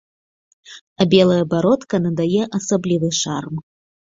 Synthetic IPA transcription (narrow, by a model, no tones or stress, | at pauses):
ɐbʲɛlˠɐjɐbaɾɔt̪kɐnɐd̪ajɛʔɐsablʲivɨʂarm